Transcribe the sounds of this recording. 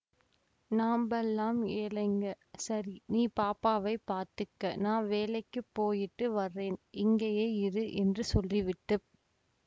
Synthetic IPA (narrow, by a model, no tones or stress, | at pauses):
naːmbɛlːaːmeːlɐɪŋɡɐ | sɐɾiniːpaːpːaːʋɐɪpːaːɾt̪ɯkːɐnãːʋeːlɐɪkːɯpːoːjɪʈːɯʋɐɾːeːnɪŋɡɐjeːɪɾɯʔɛndrɯsɔlːiʋɪʈːɯ